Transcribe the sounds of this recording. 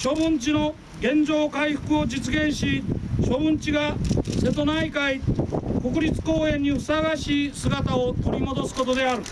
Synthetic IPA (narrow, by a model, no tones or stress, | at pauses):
ɕo̞bɯ̃ɲt͡ɕino̞ | ɡẽ̞ɲd͡ʑo̞ːkaiɸɯ̥kɯ̟o̞d͡ʑit͡sɨɡẽ̞ɰ̃ɕiɕo̞bɯ̟̃ɲt͡ɕiɡase̞t̪o̞naikaiko̞kɯ̟ɾʲit͡sɨ̥ko̞ːẽ̞ɲ̟ːiɸɯ̟̥saɡaɕiːsɨɡat̪ao̞t̪o̞ɾʲimo̞d̪o̞sɨ̥ko̞t̪o̞d̪e̞aɾɯ̟